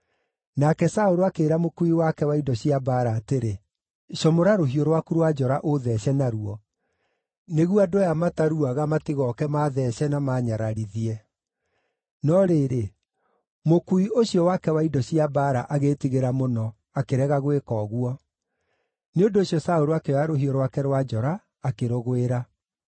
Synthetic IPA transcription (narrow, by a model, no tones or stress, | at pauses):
nakɛsaoɾoakeːɾamokuiwakɛwaidɔɕiabaɾaːteɾe | ʃɔmoɾaɾoɦioɾowakuɾwad͡ʒɔɾaʔoðɛɕɛnaɾuɔ | neɣuadojamataɾuaɣamatiɣɔkɛmaðɛɕɛnamaːɲaɾaɾiðiɛ | nɔɾeɾe | mokuioɕjɔwakɛwaidɔɕiabaɾa̰ʔaɣetiɣeɾamonɔ | akeɾɛɣaɣwekɔɣwɔ | neondoːɕjɔsaoɾoakeɔaɾoɦioɾwakɛɾwad͡ʒɔɾaː | keɾoɣweɾa